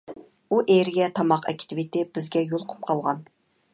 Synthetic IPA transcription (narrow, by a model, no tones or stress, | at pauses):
uʔeɾɪɡʲɛt̪ʰɑmɑqɛ̰kʲt̪ʰɪvɪt̪ɪb̥ɪzɡʲɛjolˠqʰʊ̥p̚qʰɑlˠʁɑn